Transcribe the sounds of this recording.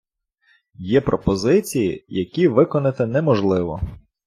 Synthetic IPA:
jɛpɾɔpɔzɪt͡sʲijḭjɐkʲiʋɪkɔnɪt̪ɪnɛmɔʒlˠɪʋɔ

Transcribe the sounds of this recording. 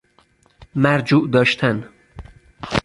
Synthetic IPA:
mæɾd͡ʒuːʔd̪ɒːʃt̪ʰæn

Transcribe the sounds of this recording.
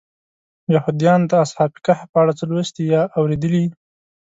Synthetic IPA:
jahud̪jɑnd̪əashɑpi̥kahapəaɽat͡səlwəst̪ijɑʔawɾed̪əli

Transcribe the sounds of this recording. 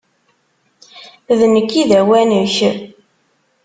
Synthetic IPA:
ðnəkːiðæwænuç

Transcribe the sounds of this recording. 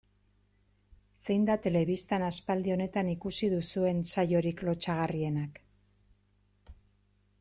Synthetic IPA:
se̞jnd̪at̪e̞le̞βist̪anaspald̪io̞ne̞t̪anikusiðusue̞nsajo̞ɾiklo̞t͡ʃaɣ̞arie̞nak

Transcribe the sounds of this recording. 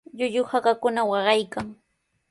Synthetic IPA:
ʎʊʎʊhakakʊnawɑɢɑjkaŋ

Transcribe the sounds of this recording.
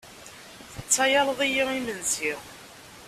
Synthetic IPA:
θət͡sːæjɑlˤðˤijiimənsiʁ

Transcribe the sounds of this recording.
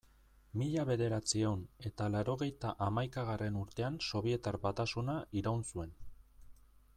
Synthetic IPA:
miʎaβe̞ðe̞ɾat͡siewne̞t̪alaɾo̞ɣe̞jt̪aʔamajkaɣare̞nuɾt̪e̞anso̞β̞ie̞t̪arβat̪asunaiɾawnsue̞n

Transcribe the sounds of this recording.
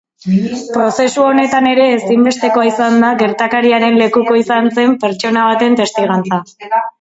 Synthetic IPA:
pɾo̞se̞suo̞ne̞t̪ane̞ɾe̞ːsimbe̞st̪e̞ko̞aisand̪aɣe̞ɾt̪akaɾiaɾe̞nle̞kuko̞isanse̞mpe̞ɾt͡ʃo̞naβ̞at̪e̞nt̪e̞st̪iɣ̞ant͡sa

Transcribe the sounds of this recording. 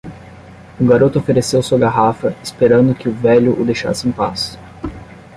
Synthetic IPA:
ʊɡaɾot̪ʊofeɾesewsuɐɡaɦafɐɪspeɾɐ̃nd̪ʊkɪʊvɛʎʊʔʊd̪ejʃa̰sɪẽpas

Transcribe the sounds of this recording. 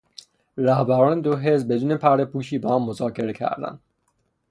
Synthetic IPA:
ɾæhbæɾɒːned̪oɦezbe̞d̪uːnepʰæɾepuːʃiːbeɒːmmozɒːcʰe̞ɾecʰæ̰ɾd̪æ̰nd̪̥

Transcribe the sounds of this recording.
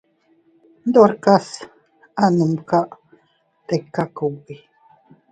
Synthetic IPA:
nd̪oɾkas | anumkaʔ | t̪ekːakui

